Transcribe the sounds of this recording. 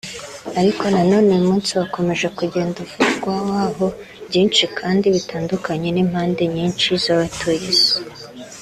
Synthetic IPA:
aɾiko̞nano̞ːne̞umuːnsiβako̞me̞ʒe̞kuɟe̞ːndafutɡwawaːɦo̞ | bɟiːnt͡ʃikʰaːndiβitaːndukaɲe̞niːm̥haːnde̞ɲiːnt͡ʃizaβatʰujizi̥

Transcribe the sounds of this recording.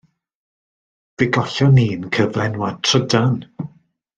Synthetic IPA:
ð̥ɪɡɔɬɔniːnkʰəvlɛnwatʰrədan

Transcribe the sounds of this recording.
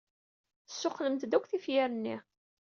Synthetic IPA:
θəsːʊχləmt̪d̪ækʷθifjæɾənːi

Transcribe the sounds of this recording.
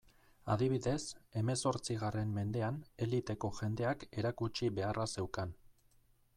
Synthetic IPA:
a̰ðiβ̞iðe̞se̞me̞so̞ɾt͡siɣ̞are̞mːe̞nd̪e̞ane̞lit̪e̞ko̞ʝe̞nd̪e̞ake̞ɾakut͡ʃiβe̞arase̞wkan

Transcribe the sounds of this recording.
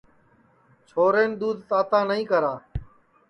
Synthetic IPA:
t͡ʃʰoːɾeːnd̪uːd̪ʱt̪aːt̪ãːnəɦĩːkəɾaː

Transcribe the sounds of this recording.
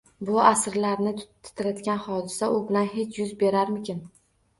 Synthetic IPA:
bʊasɾlaɾnɪ | ɪ̥t̪ʰɪɾad̪ɡʲanhɒd̪ɪsaʔʊbɪlanɦe̞t͡ʃʰjʊzbe̞ɾaɾmɪkʲʰɪn

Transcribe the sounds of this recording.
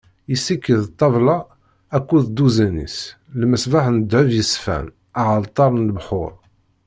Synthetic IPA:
isːikːəðt̪ˤːɑvlɑ | ækːuðd̪uzænḭs | lməsbaħnəd̪ʕəvjəsfæ̰n | aʕəlt̪ˤːɑɾˤnlbħʊ̰ɾˤ

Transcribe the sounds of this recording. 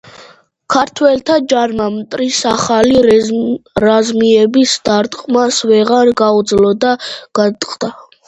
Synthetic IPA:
kʰaɾt̪ʰwɛlt̪ʰad͡ʒaɾmamt̪ʼɾisaχali | ɾazmiɛbisd̪̥aɾt̪ʼqʼmasvɛʁaɾɡaud̪zlɔd̪aɡ̥at̪ʼqʼd̪a

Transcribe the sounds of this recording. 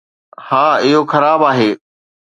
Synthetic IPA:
hãːɪɦoxɐɾaːbaːɦeː

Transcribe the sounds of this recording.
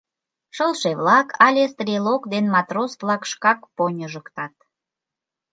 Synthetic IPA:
ʃəlʃeβlɑkʰɑlʲest̪rʲilokd̪enmɑt̪rosvlɑkʃkɑkponʲəʒəkt̪ɑt̪̚

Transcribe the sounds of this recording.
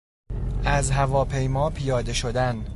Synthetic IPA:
ʔæzɦævɒːpʰe̞jmɒːpʰijɒːd̪e̞ʃod̪æn

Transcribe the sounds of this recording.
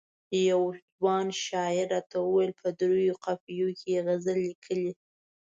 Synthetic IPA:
jawd͡ʒwɑnʃɑɪɾːɑt̪awəwajəlpʰəd̪ɾujoqafijokʰeeɣazəlːikʰəli

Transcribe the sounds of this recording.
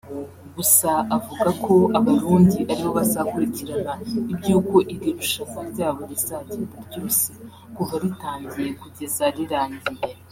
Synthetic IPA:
ɡusaavuɡakʰo̞aβaɾuːndiʔaɾiβoβazakuɾiciɾanaibɟuːko̞ʔiɾiɾuʃakaɾɟaːβoɾizaɟibaɾɟoːse | kuvaɾitaːɲɟije̞kuɟe̞zaɾiɾaːɲɟije

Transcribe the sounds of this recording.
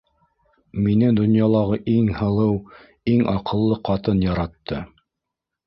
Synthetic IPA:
minɘd̪ŏnjɑlˠɑʁɤʔiŋhɤ̆lˠɤw | iŋɑqɤ̆lˠːɤqɑt̪ɤnjɑɾɑt̪ːɤ

